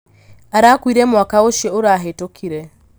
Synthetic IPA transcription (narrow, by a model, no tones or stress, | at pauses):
aɾakwiɾɛmwakaoʃeoɾaɦetokʰiɾɛ